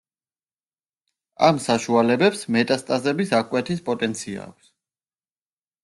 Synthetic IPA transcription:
a̰msaʃualɛbɛpsmɛt̪ʼast̪ʼazɛbisakʼwɛt̪ʰis̬pʼɔt̪ʼɛnt̪sʰia̰ːk̚ʷʰs

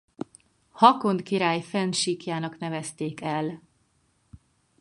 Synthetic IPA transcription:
hɒko̞nt̪kiɾaːjfɛnʃiːkjaːnɒknɛvɛst̪eːkɛl

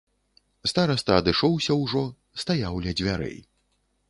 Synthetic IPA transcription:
st̪aɾɐst̪ɐːd̪ɨʂɔwsʲɐwʐɔ | st̪ajawlʲɛd͡zʲvʲaɾɛ̰j

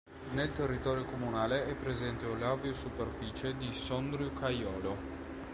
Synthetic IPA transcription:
nelt̪erːit̪ɔːɾjokomunaːleɛpːɾezɛnt̪eulaveosuperfiːt͡ʃed̪isɔnd̪ɾjukʰajɔːlo

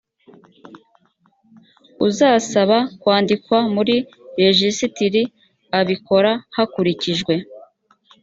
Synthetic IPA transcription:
uzaːsaβakwaːndikwamuɾi | ɾeʒisitiɾi | aβiko̞ɾahakuɾiciʒɡwe̞

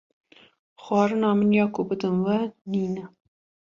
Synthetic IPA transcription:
xwɑːɾɨnɑːmɨnjɑːkʊbɨd̪ɨnwɛniːnɛ

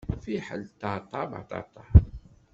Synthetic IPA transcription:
fiħalt̪at̪ˤɑbɑ̰t̪ɑ̰t̪ɑ

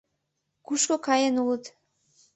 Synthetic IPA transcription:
kuʃkokɑjanulˠət̪

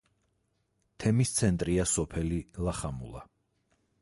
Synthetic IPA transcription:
t̪ʰɛmist̪sʰɛnt̪ʼɾiasɔpʰɛlilaχamṵlˠa̰

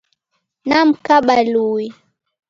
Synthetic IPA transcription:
nam̩kaɓaluwi

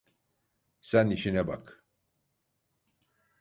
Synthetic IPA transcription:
sæniʃinɛba̰k

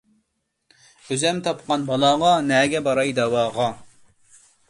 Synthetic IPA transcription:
øzɛmt̪ʰɑpqɑnbɑlˠɑːʁɑnɛːɡʲɛbɑɾɑjd̪ɑwɑːʁɑ

